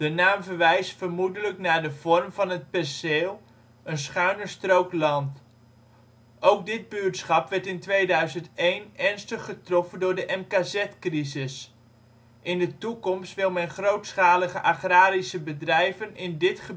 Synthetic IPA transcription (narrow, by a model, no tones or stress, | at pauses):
d̥ənaːmvəɹʋɛjstfəɹmudələknaːɹdəv̥ɔrmvɑnɦət̚pɛrseːlˠ | ənsχœɥnəɹstrowklɑnt | owɡ̚dɪd̚bytsχɑpʋɛɹtɪntʋejdœɥzəntejnɛɹnstəχːətrɔfəndʊːɹdəʔɛmkaːzɛtkrizɪs | ʔɪndətukɔmstʋɪlˠmɛnχrowtsχaːləχəʔaχraːɾisəbədrɛjvənɪndɪtχə